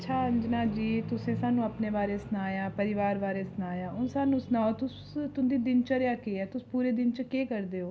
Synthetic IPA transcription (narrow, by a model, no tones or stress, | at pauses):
tt͡ʃʰaːənd͡ʒnaːd͡ʒiːt̪ʊsẽːsaːnũːəpneːʋaːɾeːsənaːjaːpəɾɪʋaːɾʋaːɾeːsnaːjaːʔʊ̃nsaːnũːsnaːoːt̪ʊs | t̪ʊnd̪iːd̪ɪnt͡ʃəɾjaːkeːɛːt̪ʊspuːɾeːd̪ɪnt͡ʃkeːkəɾd̪eːoː